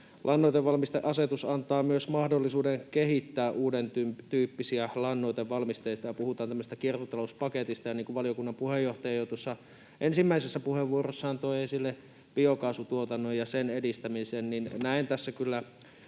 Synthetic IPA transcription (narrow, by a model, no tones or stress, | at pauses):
lʔɑnːoit̪eʋʋɑlmist̪eʔɑset̪usɑnt̪ɑːmyøsmɑhdolːisuːdeŋkehit̪ːæːʔʔuːdent̪yt̪yːpːisiælɑnːoit̪eʋʋɑlmist̪eit̪ɑjɑpuhut̪ɑːnt̪æmːøsest̪ækirkot̪ɑlouspɑket̪ist̪ɑjɑniːŋkuʋʋɑlijokunːɑmpuhejːoht̪ɑjɑjot̪uosːɑ | ʔensimːæisesːæpuheʋːuorosːɑnt̪oiesilːe | piokɑsut̪uot̪ɑnːojjɑsenedist̪æmiseːnninnæint̪æsːækylːæ